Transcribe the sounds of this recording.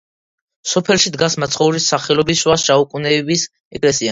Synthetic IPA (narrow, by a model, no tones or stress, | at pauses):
sɔpʰɛlˠʃid̪ɡasmat̪sʰχɔuɾisaχɛlɔbisʃwasʃaukʼunɛbis | ɛkʼlɛsia